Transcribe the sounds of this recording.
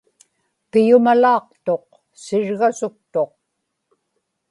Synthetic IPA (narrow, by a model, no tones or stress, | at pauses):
pɪjʊmalɑːqt̪oq | sɪɻɣasʊk̚t̪o̞q̚